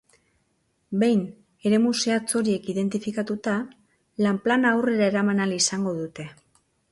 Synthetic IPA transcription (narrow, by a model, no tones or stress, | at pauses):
be̞jn | e̞ɾe̞muse̞at͡so̞ɾie̞kiðe̞nt̪ifikat̪ut̪a | lamplanaːwre̞ɾae̞ɾamanalisaŋɡo̞ðut̪e̞